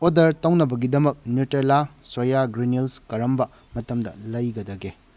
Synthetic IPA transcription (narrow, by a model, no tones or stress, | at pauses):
odɐɾtɐwnɐbɐɡidɐmɐk̚njutelasojaɡɾinilskɐɾɐmbɐ | mɐtɐmdɐ̰lɐjɡɐdɐɡe